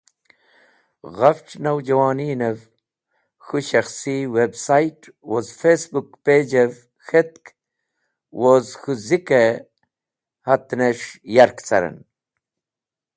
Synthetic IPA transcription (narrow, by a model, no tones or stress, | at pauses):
ɣɐfʈ͡ʂnɐwd͡ʑɐwaːniːnev | xuɕɐxsiwebsajʈ | wozfesbukpeːd͡ʑev | xet̪̚k | wozxuzike | hɐt̪neʂjɐɾkt͡sɐɾḛn